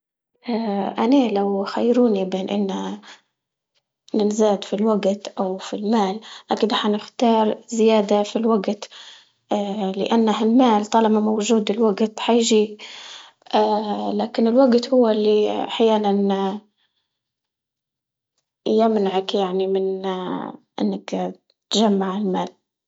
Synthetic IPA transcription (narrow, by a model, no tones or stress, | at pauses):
ʔaʔanalawxajːɾuːnibeːnʔɪ̰nːa | nɪnzaːd̪filwaɡt̪ʔawfilmaːlʔaːkɪd̪aħanɪxt̪ɑːɾˤzɪjaːd̪afilwaɡt̪ː | lɪ̰ʔanːahalmaːlt̪ˤɑlɑmamowʒuːd̪ɪlwaɡt̪ħajɪʒiː | ʔalaːkɪnɪlwaɡt̪hʊwːalːiʔaħjaːnan | jɪmnaʕakjaʕnimɪn | ʔɪ̰nːak | t̪ʒamːaʕɪlmaːl